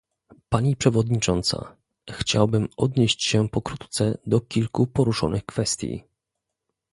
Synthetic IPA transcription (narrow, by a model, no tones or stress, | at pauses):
paɲipʂɛvɔd̪ɲit͡ʂɔnt̪sa̰ | xt͡ɕawbɘmɔd̪ɲeɕt͡ɕɕɛpɔkɾut̪t̪sɛd̪ɔkʲilkupɔɾuʂɔ̰nɘxkfɛst̪ʲjḭ